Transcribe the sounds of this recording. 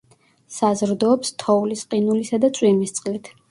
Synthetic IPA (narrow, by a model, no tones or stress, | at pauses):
sazɾd̪ɔːpst̪ʰɔulisqʼinulisad̪at̪sʼwimist̪sʼqʼlit̪ʰ